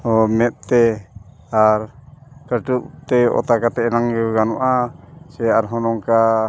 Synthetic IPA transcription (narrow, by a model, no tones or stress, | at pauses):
omɛt̪̚t̪ɛ | aɾkəduʔt̪ɛɔ̰t̪akat̪ɛːnaŋuɡanuʔaseaɾɦɔnɔŋka